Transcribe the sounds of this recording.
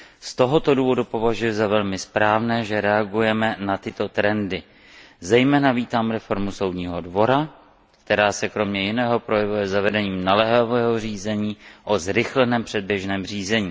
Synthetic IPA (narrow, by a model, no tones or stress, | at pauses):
st̪o̞ɦot̪o̞duːvo̞dupo̞vaʒujɛzavɛlmɪspɾaːvnɛːʒɛɾɛaɡujɛmɛnat̪ɪt̪o̞t̪ɾɛndɪ | zɛjmɛːnaviːt̪aːmɾɛfo̞ɾmuso̞wd̪ɲiːɦodvo̞ɾa | k̚t̪ɛɾaːsɛkɾo̞mɲɛjɪnɛːɦo̞pɾo̞jɛvujɛzavɛdɛɲiːmnalɛɦavɛːɦo̞r̝iːzɛɲiːʔo̞zɾɪxlɛnɛːmpr̥ɛd̚bjɛʒnɛːmriːzɛɲiː